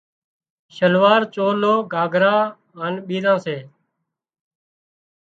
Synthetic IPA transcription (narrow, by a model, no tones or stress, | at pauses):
ʃəlʋaːɾt͡ʃoːloːɡʱaːɡʱɾãː | ənɓiːɾãːseː